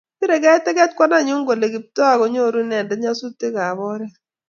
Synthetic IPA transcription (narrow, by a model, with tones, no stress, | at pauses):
pi˦ɾɛ˨kɛ˦tɛ˦kɛ˦t̚kwa˦na˦˨ɲʊ˦ŋɡo˨le˨ki˨p̚to˦a˨ko˦ɲo˦˨ɾu˦nɛ˨ndɛ˨ɲa˦su˦te˦ka˨βɔ˦ɾɛ˦